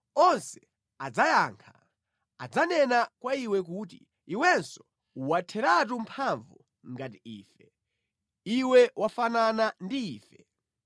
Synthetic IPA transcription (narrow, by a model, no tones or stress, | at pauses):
ɔnsɛ | ad͡zajaːŋkʰa | ad͡zanɛnakwaiwɛk̬utḭ | iwɛnsɔ̥ | uwatʰɛɾat̬umpʰaɱvu | ŋɡatiiːfɛ | iwɛwafananandiiːfɛ